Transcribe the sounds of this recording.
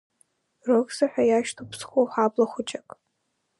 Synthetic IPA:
rɨkzaħʷᶣajaʃtʰupʰsχʷowħʷabʼlaχʷʊt͡ʃʼakʼ

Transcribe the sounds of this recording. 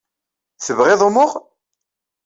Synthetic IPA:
θəvʁɪðˤumʊʁ

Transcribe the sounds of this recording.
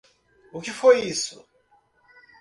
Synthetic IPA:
ukifoisṵ

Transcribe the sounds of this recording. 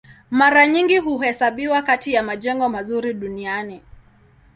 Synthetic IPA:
maɾaɲiŋɡiɦuhɛsaɓiwakatijamaʄɛŋɡɔmazuɾiɗuniani

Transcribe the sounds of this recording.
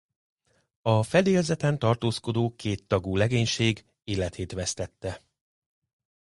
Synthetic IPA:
ɒfɛd̪eːlzɛt̪ɛnt̪ɒrt̪oːsko̞d̪oːkeːt̪ːɒɡuːlɛɡeːɲʃeːɡ | eːlɛt̪ʰeːt̪ʋɛst̪ɛt̪ːɛ

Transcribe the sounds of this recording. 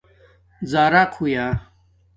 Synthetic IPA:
zaːɾakʰujaː

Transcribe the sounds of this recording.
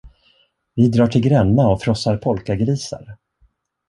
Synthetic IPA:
vɪd̪ɾɑːʈʰɪlɡɾɛnːaɔfɾɔsaɾpʰɔlkaɡɾiːsa̰ɾ

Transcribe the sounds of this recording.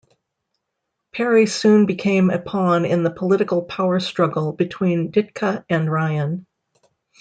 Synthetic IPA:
pʰɛɹisʉ̃nbɨkʰẽɪ̃mɨ̰pʰɑ̃nɪ̰̃nðəpʰəlɪɾɨkl̩ˠpʰaʊə˞stɹ̥ʌɡl̩ˠbɨtʰw̥ĩndɪt̚kʰəɨ̃nɹaɪɨ̃n

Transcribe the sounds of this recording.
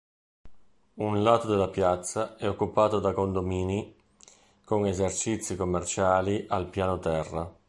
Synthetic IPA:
unlaːt̪od̪elapjat̪sːaɛokːupaːt̪od̪akond̪omiːni | koŋezert͡ʃit̪sːikomːert͡ʃaːliʔalpjaːnot̪ɛrːa

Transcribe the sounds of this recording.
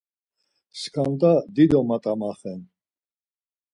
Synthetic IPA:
skʰand̪ad̪id̪ɔmat̪ʼamaχɛn

